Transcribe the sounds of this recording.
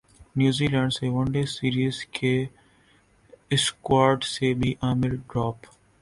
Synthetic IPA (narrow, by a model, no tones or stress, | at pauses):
njuːziːlɛ̃ːɳɖseʋɐ̃ɳɖesiːɾiːzkʰe | ɪskwaːɾɖsebʱiʔaːmɪlɖɾɔːp